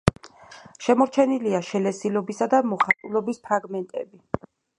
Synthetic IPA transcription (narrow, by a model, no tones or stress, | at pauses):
ʃɛmɔɾt͡ʃʰɛniliaʃɛlɛsilɔbisad̪amɔχat̪ʼulɔbispʰɾaɡmɛnt̪ʼɛ̰bi